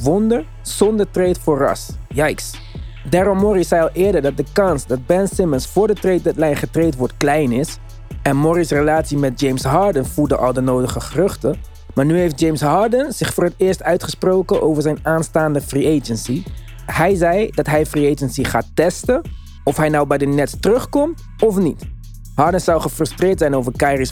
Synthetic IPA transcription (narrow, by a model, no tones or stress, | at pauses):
ʋɔndəɹ | z̥ɔndəɹtrejtfʊːrɑ̰sjɛjks | daːɾɔmːɔɾisɛjɑlˠʔɪːɹdəɹdɑt̚dəkɑnsdɑd̚bɛnsɪmənsfʊːɹdətrejt̚dɛtlɛjnχətrejtʋɔɹtklɛjnɪs | ɛnmɔɾisrəlaːtsimɛt̚d͡ʒejmsɦɑːɹdənvuldəʔɑ̰lˠdənowdəχəχərɵχtə | maːɹnyɦejfd̚d͡ʒejmsɦɑːɹdənz̥ɪχfʊːɹɦətɪːɹstœɥtχəsprowkəʔowvəɹzɛjnaːnstaːndəfriejd͡ʒənsi | ɦɛjzɛjdɑtɦɛjfriejd͡ʒənsiχaːtɛstə | ɔfɦɛjnɔwbɛjdənɛtstərɵχkɔmt | ɔfnit | ɦɑːɹdənsɑwχəfrɵstrɪːɹtsɛjnowvəɹkajris